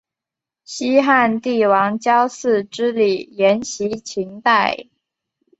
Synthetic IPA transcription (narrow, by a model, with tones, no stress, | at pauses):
ɕi˥xa˥˧nt̪i˥˩wɑ˧˥ŋt͡ɕjɑ˥ʊsɹ̩˥˩ʈ͡ʂɻ̩˥li˨˩jɛ˧˥nɕi˧˥t͡ɕʰi˧˥ŋt̪a˥˩ɪ